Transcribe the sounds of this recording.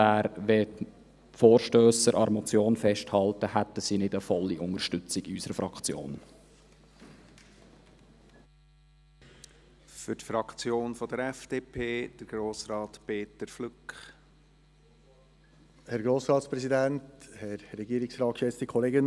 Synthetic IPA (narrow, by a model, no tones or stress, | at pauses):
æːɾʋɛ | foːɾʃtøːsəɾʔɑɾmɔt͡sjoːnfɛʃthɑltəhæt̪əsinɪdəfɔlːiʔʊŋəɾʃtʏt͡siɡysəɾəfɾɑkt͡sjo̰ːn | fʏɾtfɾɑkt͡sjoːnfɔd̥əɾɛfd̥eːpʰeːd̥̪əɾɡ̥ɾoːsɾɑːt̪peːt̪əɾflʏkχ | hɛɾɡɾoːsɾɑːt̪spɾɛsidænthɛɾɾɛɡiːɾɪksɾɑːt̚kʃɛt͡st̪ikʰɔleːɡən